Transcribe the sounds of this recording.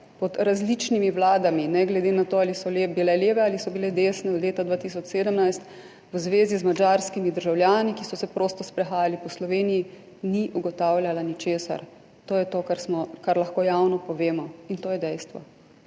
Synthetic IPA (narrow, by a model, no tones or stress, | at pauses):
pɔd̪ɾazlit͡ʃnimiwlaːd̪aminɛɡlɛd̪enat̪oːalisɔlebilɛleːʋɛalisɔbilɛd̪eːsnɛɔd̪leːt̪ad̪ʋaːt̪is̬ɔt͡ʃseːd̪əmnajst̪ | wzʋeːzizmad͡ʒaɾskimid̪əɾʒawlʲjaːnikisɔsɛpɾoːst̪ɔspɾɛxaːjalipɔslɔʋeːniji | niʔuɡɔt̪aːwljalanit͡ʃeːsa̰ɾ | t̪oːjɛt̪oːkaɾsmɔkaɾlaxkoːjawnɔpɔʋeːmɔint̪oːjɛd̪ɛjst̪ʋɔ̰